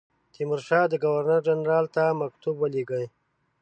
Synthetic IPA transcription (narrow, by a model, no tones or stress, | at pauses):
t̪ʰimʊɾʃɑd̪əɡawaɾnəɾd͡ʒanɾɑlt̪amakt̪ubwəleɡəj